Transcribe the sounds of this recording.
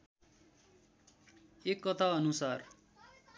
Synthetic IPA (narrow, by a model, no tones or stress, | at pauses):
ekːʌt̪ʰaʌnusar